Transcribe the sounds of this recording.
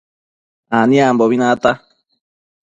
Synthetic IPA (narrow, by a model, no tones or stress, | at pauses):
anĩamboβinãt̪a